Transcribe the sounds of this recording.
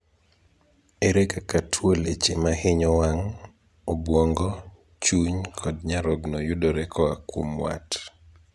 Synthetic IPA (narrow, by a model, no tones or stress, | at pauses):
eɾekakatʰwolet͡ʃemahɪɲɔwaŋ | obwɔŋɡɔ | t͡ʃuɲkʰɔdɲaɾɔɡnojʊdoɾɛkʰɔakwomwa̰t